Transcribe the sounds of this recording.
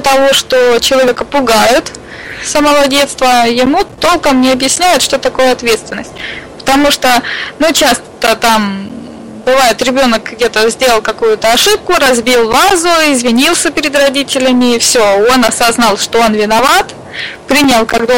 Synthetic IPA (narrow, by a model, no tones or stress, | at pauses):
t̪ɐvo̞ʂt̪ot͡ɕɪlˠɐvʲekəpʊɡajɪt̪ | səməvˠɐdʲe̞t̪st̪vəjɪmut̪o̞lˠkəmnʲɪɐbjɪsʲnʲæjɪt̪ʂt̪o̞t̪ɐko̞jəɐt̪vʲe̞t̪st̪vʲɪnːəsʲt̚ʲpə̥t̪ɐmuʂt̪onut͡ɕast̪t̪ət̪am | bɨvajɪt̪ɾʲɪbʲo̞nəkɡdʲe̞t̪əzʲdʲe̞lˠəlˠkɐkujʊt̪əɐʂɨp̚kʊɾɐzbʲilˠvazʊɪzvʲɪnʲilˠsʲəpʲɪɾʲɪd̪rɐdʲitʲɪlʲɪmʲɪːfsʲoo̞nɐsɐznɑlˠʂt̪oo̞nvʲɪnɐvat̪ | pɾʲinʲəlˠkɐɡd̪o